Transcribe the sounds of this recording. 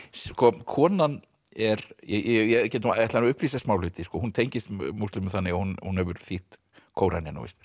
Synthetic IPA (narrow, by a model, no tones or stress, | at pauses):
skɔkʰɔːnan | ɛɾjɛjɛjɛcɛt̪ɛt̪laanʏhpliːs̬ɛsmawlhʏːt̪ɪskɔhunt̪ʰejɲcɪst̪must̪ʏt̪mʏmθanːɪahunhunhɛvʏɾθiht̪ | kʰoːwɾʔa̰njɛno̰vɪ̰st̪